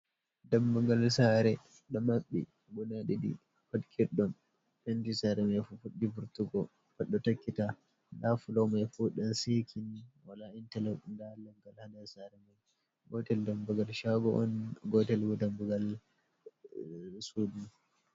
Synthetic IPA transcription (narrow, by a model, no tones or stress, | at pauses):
dambuɡalsaɾɛ | ɗɔmaɓːḭ | bunaɗiɗḭ | patkʰiɾɗɔn | fɛntisaɾɛmajfufuɗːibuɾtuɡɔ | paɗːɔtakːita | dafulɔwmajfuɗɔnsikʰinwalaintɛlɛɗndalaŋɡalhanasaɾɛmaj | ɡɔtɛldambuɡalʃaɡɔʔɔnɡɔtɛlɡɔdambuɡal | sudun